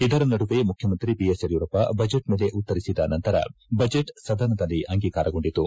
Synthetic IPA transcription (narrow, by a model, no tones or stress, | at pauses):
id̪ɐɾɐnɐɽuʋemukʰjɐmɐnt̪ɾibijesɐɾjuːɾɐpɐbɐd͡ʒeʈme̞ːle̞ʔut̪ːɐɾisid̪ɐnɐnt̪ɐɾɐ̰bɐd͡ʒeʈsɐd̪ɐnɐd̪ɐlːiʔɐŋɡiːkaːɾɐɡo̞ɳɖit̪ːu